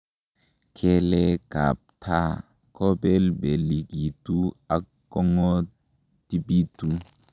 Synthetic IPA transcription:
kʰɛ˦lɛ˦ka̰˨pʰa˦ | kʰɔ˦bɛ˦lbɛ˨li˨ɡi˨tu˦a˦ | kɔ˦ŋɔ˦ | ti˦biː˦tu˦

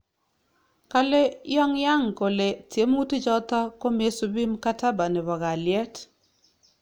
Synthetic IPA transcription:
ka˦le˦jɔ˦ŋja˦ŋko˨le˨tje˨˦m˦u˦tɪ˦d͡ʒɔ˦t̪a˦ko˦me˨˦su˨bi˦mka˦ta˦ba˨nɛ˨bɔ˨ɡa˨lɪɛ˦t

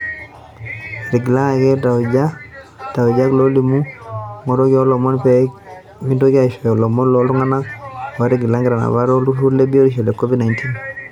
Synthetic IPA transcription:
ɾi˨ɡi˨la˦a˨kɛ˦ta˨d͡ʒa˦ | ta˨wu˨d͡ʒa˦klo˦li˨mu˦ŋɔ˨ɾɔ˦kɔ˦lɔ˨mɔ˦npɛ˦ | mi˦do˦ki˦a˨ʃɔ˨jɔ˨lɔ˨mɔ˦nlɔ˨˦lu˦ŋa˦na˦wa˨ɾi˨ɡi˨la˦ŋɡɪ˨ɾa˨na̰˨ba˦ɾɔ˦lu˦tu˦ɾle˦bi˦o˦ɾi˦ʃ̬ɔ˨lɛ˨kɔ˦vi˦dna˨jnti˦n

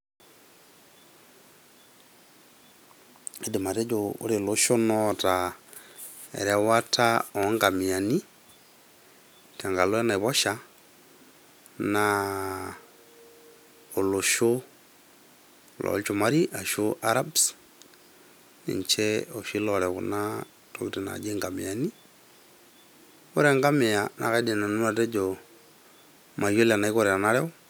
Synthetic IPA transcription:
e˦di˨ma˨ɾe˦d͡ʒuo̰˦ɾi˨lu˦ʃo˦nɔta | ḛ˨ɾɛ˨watʰao˨ŋɡa˨mia˨ni˦ | tʰa˨ŋɡa˨lwe˦naβɔ˦ʃa | na | o˨lo˨ʃo˦ | lɔ̰˨lt͡ʃo˨ma˦ɾi˦ʔa˨ʃo˦ʔa˦ɾa˦bs | nḛ˨ɲt͡ʃɛ˦o˨ʃi˦lɔ˨ɾɛ˨kṵ˨na˦ | to˦βi˦te˨na̰˨d͡ʒe˦ŋɡa˨me˨a˨ni˦ | o˦ɾe˨ŋɡa˦me˨a˨na̰˨ka˨i˦de˨na˨nu˦ma˨te˦d͡ʒo˨ | ma˨jo˦la˨na˨i˦ko˦ɾe˨a˨na˦ɾɛ˦

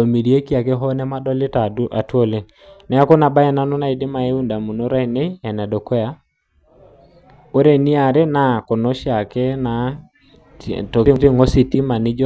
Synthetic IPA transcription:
o˨mi˨ɾi˨e˦ki˦a˨ke˦ɦɔ˦nɛ˦ma˦dɔ˦le˦ta˨˦a˨two˦le˦ | nɛ˨a˦ko˦na˨ba˦ɛ˦na˦no˦na˦˨e˨dɪ˦ma˨e˦u˦nda˨mu˨no˦ɾa˦i˨ne˦ɛ˨nɛ˨dɔ˨kɛ˦ja˦ | o˦ɾe˦˨ni˦a˨ɾe˦na˦ko˨no˦ʃa˨kɛ˦na˨ | to˨˦te˦ŋo˦si˨ti˦ma˨nɪ˦d͡ʒɔ˦

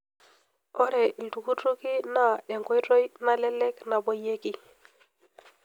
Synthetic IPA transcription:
o˦ɾɛ˨i˨ltu˨ku˦tɾu˦ki˦na˦˨e˨ŋko˦jto˦jna˨le˦le˦kna˨bo˦je˦ki˦

